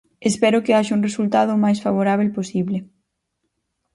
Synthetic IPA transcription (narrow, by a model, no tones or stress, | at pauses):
espɛɾʊkɪaʃauŋresult̪aðʊmajsfaβ̞oɾaβ̞elposiβlɪ